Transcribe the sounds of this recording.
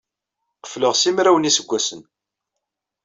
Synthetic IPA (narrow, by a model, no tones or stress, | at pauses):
qə̥fləʁsimɾæwənisəɡʷːæsən